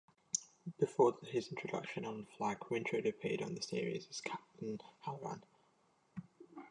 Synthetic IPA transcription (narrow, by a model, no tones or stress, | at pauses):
b̥ɪfɔːðɪzɪ̃ntt͡ʃʰɹ̥ədʌ̰kʃə̃nə̃nəflaɡ̥wɪ̃nt͡ʃʰɹ̥ədəpʰeɪdn̩ðəsɪəɹḭzəz̥kʰap̚tʰə̃nhaləɹã̰n